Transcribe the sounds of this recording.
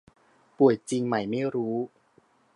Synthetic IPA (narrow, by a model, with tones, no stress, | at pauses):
pu˨˩əjt͡ɕi˧ŋma˥˩jma˥˩jɾuː˦˥